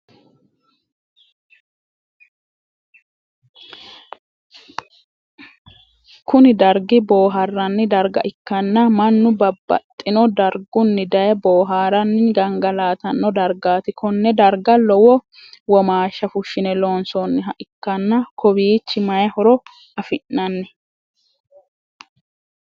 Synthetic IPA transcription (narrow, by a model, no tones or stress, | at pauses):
kʊnɪd̪ɐɾɡɪbo̞ːɦɐrːɐnːɪd̪ɐɾɡɐ̰ʔɪkːɐnːɐmɐnːʊbɐbːɐ̰t̪ʼːɪnɔd̪ɐɾɡʊnːɪd̪ɐjɛboːɦaːɾɐnːɪɡɐŋɡɐlaːt̪ɐnːɔd̪ɐɾɡaːt̪ɪkʰɔnːɛd̪ɐɾɡɐlɔwɔ | wɔmaːʃːɐfʊʃːɪnɛloːnsɔnːɪɦɐʔɪkːɐnːɐkʰɔbiːt͡ʃːɪmɐjɐhɔɾɔ | ɐfɪʔːɐnːɛ